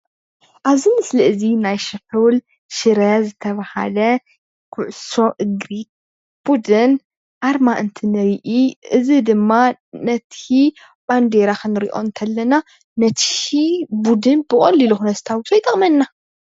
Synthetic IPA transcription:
ʔaβzimɨslɨʔɨzinajʃɐħul | ʃɨɾɐzɨt̪ʰɐβaha̰lɐ | kʰʊʕʊso̞ʔɨɡɾit̪̚ | b̥ud̪ɨn | ʔaɾmaʔɨnt̪ʰinɐjʔiʔɨzid̪ɨmːanɐt̪ʰi | b̥and̪eɾakʰɨnɨɾiʔo̞̰ɨnt̪ʰɐlːɐna | nɐt̪ʰibud̪ɨnbɨkʼɐlːiluxunɐst̪ʰawsojt̪ʼɐmɐnːa

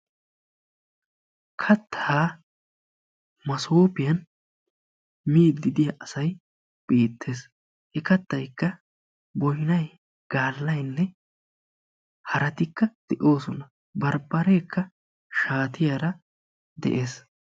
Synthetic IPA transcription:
kʰɐt̪ːaː | mɐsoːpɪjɐn | miːd̪ːɪd̪ɪjɐʔɐsɐj | b̥iːt̪ʰːe̞ːs | ʔɛkɐt̪ːɐjkːɐ | bɔjɪnɐj | ɡ̥aːlːɐjnːɛ | hɐɾɐt̪ɪkːɐd̪̥ɛʔo̞ːsɔnɐ | bɐɾbɐɾeːkːɐ | ʃaːt̪ɪjaɾɐ | d̪ɛ̰ʔe̞ːs

